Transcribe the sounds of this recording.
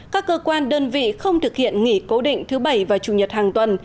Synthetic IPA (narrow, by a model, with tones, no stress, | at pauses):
kaː˦˥kːəː˧kwaː˧nɗəː˧nvḭ˧˨xə˧wŋ͡mt̪ʰɨ˨˩k̚hḭ˧˨ənŋi˧˩ko˨˦ɗḭ˧˨ŋ̟t̪ʰɨ˨˦ɓə˧˩jvaː˨˩t͡ɕu˨˧˩ɲə˨˩t̚haː˨˩ŋt̪wə˨˩n